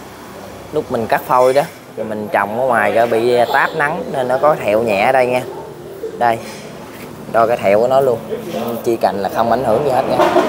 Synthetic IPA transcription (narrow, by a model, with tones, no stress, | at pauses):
lʊ˦˥k͡p̚mï˨˩ŋ̟kaː˦˥k̚fo˧jɗɔ˨˦ | t̪ʰi˨˩mï˨˩ŋ̟t͡ɕɔ̰˧˨wŋ͡mkɔ˨˦ŋwaː˨˩jkəː˨˩˦ɓḭ˧˨t̪aː˦˥p̚na˨˦ŋne˧nːɔ˨˦kɔ˨˦kːt̪ʰɛ˧˨wɲɛ̰˧˨˦ɗə˧jŋɛː˧ | ɗə˧j | ɗɔ˧kaː˨˦jt̪ʰɛ̰˧˨wkɔ˨˦nɔ˨˦lu˧ən˧t͡ɕi˧ka̰˧˨jŋ̟laː˨˩xə˧wŋ͡mʔa˧˩jŋ̟hɨ˨˧˩əŋɲɨ˧heː˦˥t̚ŋɛː˧